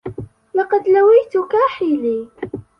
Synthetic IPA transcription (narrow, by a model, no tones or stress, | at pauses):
lɑqɑd̪lawijt̪ʊkaːħiːliː